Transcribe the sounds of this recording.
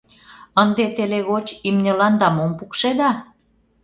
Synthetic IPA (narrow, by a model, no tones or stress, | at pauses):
ənd̪et̪eleɣot͡ɕimnʲɤlɑnd̪ɑmompukʃed̪ɑ